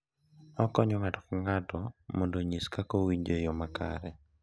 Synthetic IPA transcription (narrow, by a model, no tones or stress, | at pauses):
ɔkɔɲɔŋatɔ̥kaŋatɔmɔndoɲiskakowiɲd͡ʒejɔmaka̰ɾɛ